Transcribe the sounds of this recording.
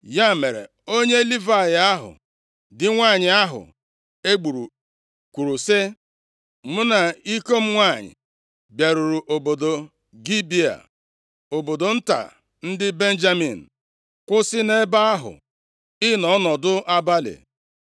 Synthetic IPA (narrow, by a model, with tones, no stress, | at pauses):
ja˦˨me˨ɾḛ˨ | o˦ɲe˦li˦va˦˨ja˦ɦʊ̰˨ | dɪ˨ŋʷa˦˨ɲɪ˨a˦ɦʊ̰˨ | e˦ɡ͡bu˨ɾu˨ | kʷu˨ɾu˨sɪ˦ | mʊ˦na˨i˦ko˦m̩˦ŋʷa˦˨ɲɪ̰˨ | bja˨ɾu˨ɾu˨ʔo˨bo˨do˨ | ɡi˦bi˦a̰˨ | o˨bo˨do˨n̩˦ta̰˨ | n̩˦dɪ˦be˦n̩˦d͡ʒa˦mḭ˨n̩˨ | kʷʊ˦sɪ˦ne˦ba˦a˦ɦʊ̰˨ | ɪ˦nɔ˨˦nɔ˨dʊ˦ʔa˦ba˦lḛ˨